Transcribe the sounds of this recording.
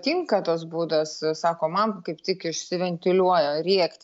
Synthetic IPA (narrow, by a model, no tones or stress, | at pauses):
t̪ʲɪŋkɐt̪osbuːd̪ɐssɑːkoːmɐnkɐɪpt̪ʲɪkɪʃʲsʲɪʋʲɛnʲt̪ʲɪlʲuɔjoːɾʲiɛkt̪ʲ